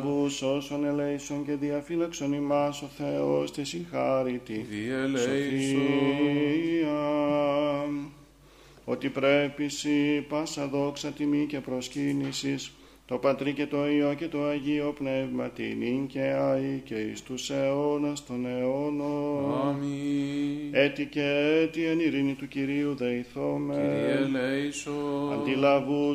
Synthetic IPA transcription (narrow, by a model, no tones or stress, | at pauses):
busosone̞leisoŋce̞ðiɐfilɐkso̞nimɐso̞θe̞o̞st̪isiŋxɐɾit̪isoθi | ɐ | o̞t̪ipɾe̞pisipɐsɐðo̞ksɐt̪imice̞pɾo̞scinisis | t̪o̞pɐt̪ɾice̞t̪o̞ioce̞t̪o̞ɐʝio̞pnevmɐt̪ḭniŋce̞aiceḭst̪use̞o̞nɐst̪o̞neonomi | et̪icet̪iɐniɾinit̪uciɾiuðeiθomeleisoɐnd̪ilɐvu